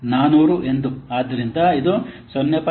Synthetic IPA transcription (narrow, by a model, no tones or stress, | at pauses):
naːnuːɾuʔe̞nd̪uaːd̪ɐɾind̪ɐid̪usɔnːjɐpɐ